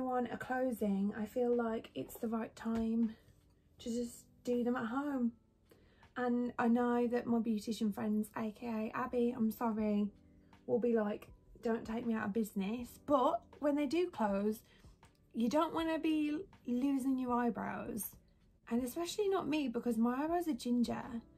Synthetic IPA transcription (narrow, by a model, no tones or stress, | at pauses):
wʌ̃nə̰kʰl̥oʊzɪ̃ŋa̰ɪfilaɪkɪtsðəɹaɪtʰãɪ̃m | tʰɨd͡ʒʌs | d̥iðə̃mət̚ɦõʊ̃m | ə̃na̰ɪnoʊðɨʔ̚maɪbjʉɾɪʃɨ̃nfɹɛ̃ndz̥eɪkʰeɪeɪʔabiã̰ɪ̃msɑɹi | wɪlˠbilaɪkd̥õʊ̃ntʰeɪk̚miaʊɾə̰bɪznɪsb̥ʌʔ̚wə̃nðeɪdɨkʰl̥oʊz̥ | jɨdõʊ̃nʔwʔɒnəbilʉːzɪ̃ŋjə˞aɪbɹa̰ʊz̥ | ʔə̃nɨspɛʃl̩ˠinəʔ̚mibɪkʰɒzmaɪaɪbɹaʊzəd͡ʒɪ̃nd͡ʒə̰